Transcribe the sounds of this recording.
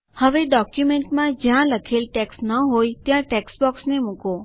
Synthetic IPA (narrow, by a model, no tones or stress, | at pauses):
həʋeɖɔkjumeɳʈmãd͡ʒjãləkʰelʈeksnəɦojt̪jãʈeksbɔksnemuko